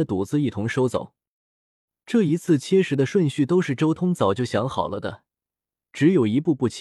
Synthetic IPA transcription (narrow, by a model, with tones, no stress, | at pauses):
ə˧t̪u˨˩t͡sɹ̩˥˧i˥˩t̪ʰʊ˧˥ŋʂo˥ʊt͡so̰˨˩˦ʊ | ʈ͡ʂɤ˥˩i˧˥t͡sʰɹ̩˥˩t͡ɕʰjɛ˥ʂɻ̩˧˥d̪ə˧ʂwə˥˧nɕy˥˩t̪o˥ʊʂɻ̩˥˩ʈ͡ʂo˥ʊt̪ʰʊ˥ŋt͡sɑ˨˩ʊt͡ɕjo˥˩ʊɕjɑ˧˥ŋxɑ˨˩ʊlə˦d̪ə˧ | ʈ͡ʂɻ̩˧˥jo˨˩ʊi˧˥pu˥˧pu˥˩t͡ɕʰ